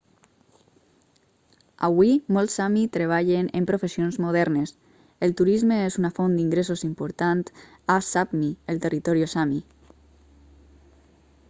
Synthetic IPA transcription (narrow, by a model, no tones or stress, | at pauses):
a̰βwimolˠsːamit̪ɾeβ̞aʎenempɾofesionzmoðɛɾnes | elˠt̪uɾizmeezunafond̪iŋɡɾesozimpoɾt̪ant̪ | asapmiəlˠt̪erit̪ɔɾiosami